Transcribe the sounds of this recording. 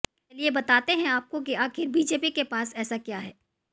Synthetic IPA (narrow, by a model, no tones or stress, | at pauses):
liebɐt̪aːt̪eɦɛ̃aːp̚kok̬iaːxɪɾbiːd͡ʒeːpikepaːsɛːsakjaːɦɛː